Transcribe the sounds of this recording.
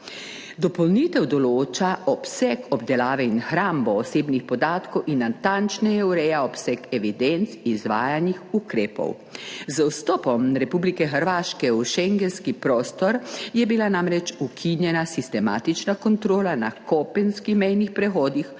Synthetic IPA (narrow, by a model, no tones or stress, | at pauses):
d̪ɔpɔlnit̪ɛwd̪ɔloːt͡ʃaʔɔpsɛkʰɔbd̪ɛlaːʋɛinxɾaːmbɔːseːbnixpɔd̪aːt̪kɔwinːant̪ant͡ʃnɛjɛuɾɛjaɔpsɛkɛʋid̪ɛnt̪sizʋa̰ːjanixukɾeːpɔ̰w | zəwst̪ɔːpɔmɾɛpublikɛxəɾʋaːʃkɛuʃɛŋɡɛnskipɾɔːst̪ɔɾjɛbilanamɾɛt͡ʃukʰinjɛnasist̪ɛma̰ːt̪it͡ʃnakɔnt̪ɾoːlanakɔpɛnskixmɛjnixpɾɛxɔːd̪ix